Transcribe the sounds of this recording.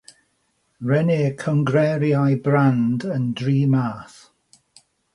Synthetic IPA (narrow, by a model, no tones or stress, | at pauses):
ɹɛneːkʰɔŋɡɾɛɾjajbrandəndriːmaːθ